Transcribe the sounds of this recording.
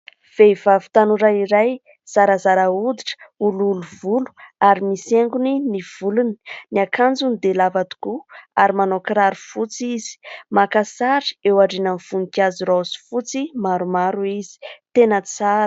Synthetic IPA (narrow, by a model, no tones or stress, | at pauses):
v̥eivavi̥t̪anuɾaiɾaj | z̥aɾazaɾaud̪iʈ͡ʂə̥ululuvulu̥aɾimiseŋɡuniniv̥uluni̥niakʰand͡zunid̪elavad̪u̥kuaɾimanokɾaɾufut͡siz̥i̥makasaɾi̥ewaɖ͡ʐinanfunikʲaziɾasi̥fut͡simaɾumaɾuizi̥t̪enət͡saɾə̥